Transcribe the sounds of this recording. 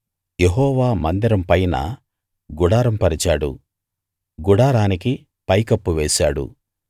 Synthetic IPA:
jeɦɔːʋaːmɐnd̪iɾɐmpɐjnɐ̰ | ɡuɽaːɾɐmpɐɾit͡ʃaːɽṵ | ɡuɽaːɾaːniki | pɐjkɐpːuʋeːʃaːɽṵ

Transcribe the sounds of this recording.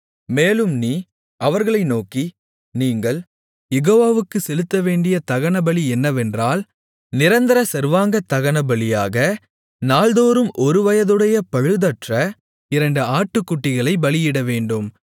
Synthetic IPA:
meːlɯmniː | ʔɐʋɐɾɣɐɭɐɪnoːkːi | niːŋɡɐɭ | jɛɣoːʋaːʋɯkːɯsɛlɯt̪ːɐʋeːɳɖɪjɐt̪ɐɣɐɳɐbɐɭiɛnːɐʋɛndraːl | nɪɾɐnd̪ɐɾɐsɛɾʋaːŋɡɐt̪ːɐɣɐnɐbɐɭɪjaːɣɐ | naːlðoːɾɯmʔɔɾɯʋɐjɐðɯɽɐjɐpɐɻɯðɐʈrɐ | ɪɾɐɳɖɯaːʈːɯkːʊʈːɪɣɐɭɐɪbɐɭɪjɪɽɐʋeːɳɖɯm

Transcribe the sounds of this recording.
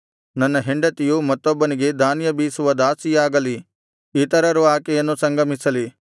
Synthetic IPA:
nɐnːɐɦeɳɖɐt̪ijumɐt̪ːɔbːɐniɡe̞d̪aːnjɐbiːsuʋɐd̪aːsijaːɡɐli | it̪ɐɾɐɾuaːkɛjɐnːusɐŋɡɐmisɐli

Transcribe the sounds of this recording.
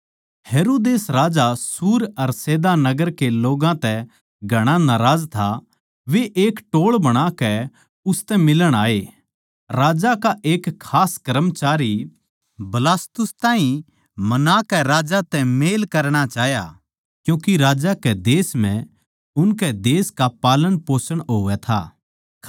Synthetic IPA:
heːɾoːd̪eːsɾaːd͡ʒasuːɾɐɾseːd̪anɐɡəɾkeloːɡãt̪ɛ | ɡʱɐɽ̃anaɾaːd͡ʒt̪ʰa | ʋeʔeːkʈoːɭbɐɽ̃akɛ | ʊst̪ɛmɪləɽ̃aːe | ɾaːd͡ʒakaʔeːkʰːaːskɐɾəmt͡ʃaːɾi | bɐlaːst̪ʊst̪aːĩ | mɐnaːkɛɾaːd͡ʒat̪ɛmeːlkɐɾɽ̃at͡ʃaːɦja̰ | kjũːkiɾaːd͡ʒakɛd̪eːsm̤ɛ̃ | ʊnkɛd̪eːskapaːlənpoːsəɽ̃ɦoːʋɛt̪ʰa̰ː

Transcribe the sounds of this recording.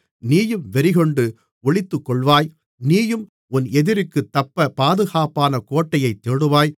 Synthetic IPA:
niːjɯmʋɛɾɪɣɔɳɖɯ | ɔɭɪt̪ːɯkːɔɭʋaːj | niːjɯm | ʊnɛðɪɾɪkːɯt̪ːɐpːɐpaːðɯɣaːpaːnɐkoːʈːɐjɐɪt̪ːeɽɯʋaːj

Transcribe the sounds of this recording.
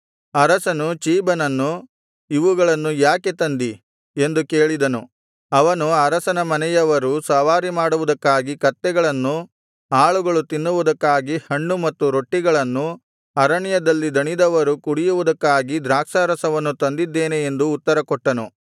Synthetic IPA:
ɐɾɐsɐnut͡ʃiːbɐnɐnːu | iʋuɡɐɭɐnːujaːket̪ɐnd̪i | e̞nd̪uke̞ːɭid̪ɐnu | ɐʋɐnuɐɾɐsɐnɐmɐnɛjɐʋɐɾusɐʋaːɾimaːɽuʋud̪ɐkːaːɡikɐt̪ːɛɡɐɭɐnːu | aːɭuɡɐɭut̪inːuʋud̪ɐkːaːɡihɐɳːumɐt̪ːuɾo̞ʈːiɡɐɭɐnːu | ɐɾɐɳjɐd̪ɐlːid̪ɐɳid̪ɐʋɐɾukuɽijuʋud̪ɐkːaːɡid̪ɾaːkʂaːɾɐsɐʋɐnːut̪ɐnd̪id̪ːeːneend̪uːt̪ːɐɾɐkɔʈːɐnṵ

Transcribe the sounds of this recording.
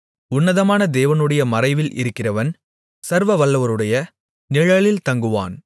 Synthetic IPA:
ʊnːɐðɐmaːnɐd̪eːʋɐnɯɽɐjɐmɐɾɐɪʋɪlʔɪ̰ɾɯkːɪrɐʋɐn | sɐɾʋɐʋɐɭːɐʋɐɾɯɽɐjɐ | nɪɻɐɭɪlt̪ɐŋɡɯʋa̰ːn

